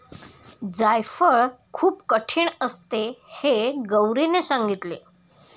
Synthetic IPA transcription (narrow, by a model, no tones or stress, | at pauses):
d͡zajfəɭkʰuːpkəʈʰiːɳəst̪eheɡəwɾinesaŋɡit̪le